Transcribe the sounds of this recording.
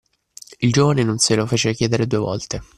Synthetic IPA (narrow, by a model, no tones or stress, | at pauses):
ild͡ʒoːvanenonselofeːt͡ʃekjɛːd̪eɾed̪uevɔ̰lt̪e